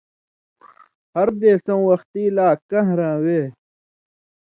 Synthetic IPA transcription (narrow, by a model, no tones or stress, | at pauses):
hɐɾd̪eːsõwɐxt̪iːlaːkɐ̃ɦɾãːweː